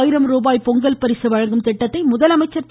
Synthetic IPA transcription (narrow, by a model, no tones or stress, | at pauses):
jɪɾɐmɾoːbaːjpɔŋɡɐlpɐɾɪsɯʋɐɻɐŋɡɯmt̪ɛʈːɐt̪ːɐɪmʊðɐlɐmɐɪt͡ʃːɐɾt̪